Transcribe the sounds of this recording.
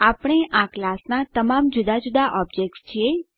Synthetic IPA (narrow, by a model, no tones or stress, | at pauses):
apɽ̃eʔaklasnat̪əmamd͡ʒʊd̪ad͡ʒud̪aʔɔbd͡ʒek̚ʈst͡ʃʰe